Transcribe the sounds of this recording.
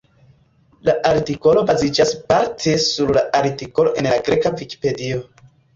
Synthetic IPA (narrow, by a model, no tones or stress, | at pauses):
laʔaɾtiko̞lo̞bazid͡ʒaspaɾtʰe̞suɾlaʔaɾtiko̞lo̞ʔe̞nlaɡɾe̞kaviki̥pe̞dio̞